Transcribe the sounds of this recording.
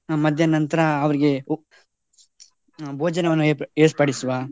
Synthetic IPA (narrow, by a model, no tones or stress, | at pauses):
mɐd̪ʱjɐnɐnt̪ɐɾɐːʋɐɾiɡe | bʱoːd͡ʒɐnɐʋɐnːueːspɐːɽisʋaː